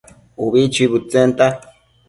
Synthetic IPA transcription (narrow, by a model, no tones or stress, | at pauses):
uβit͡ʃiβut͡sent̪a